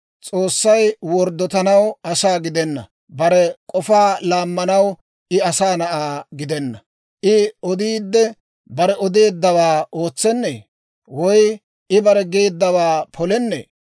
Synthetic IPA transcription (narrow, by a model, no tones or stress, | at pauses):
t͡sʼoːsːɐjwɔɾd̪ɔt̪ɐnɐwɐsaːɡɪd̪ɛnːɐ̰ | bɐɾɛkʼɔfaːlaːmːɐnɐw | ɪɐsaːnɐʔaːɡɪd̪ɛnːɐ | ʔɪɔd̪iːd̪ːɛ | bɐɾɛɔd̪e̞ːd̪ːɐwaːo̞ːt͡sːɛnːḛː | wɔj | ɪbɐɾɛɡe̞ːd̪ːɐwaːpʰɔlɛnːḛː